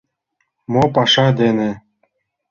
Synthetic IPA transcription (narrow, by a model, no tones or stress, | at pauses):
mopɑʃɑd̪ene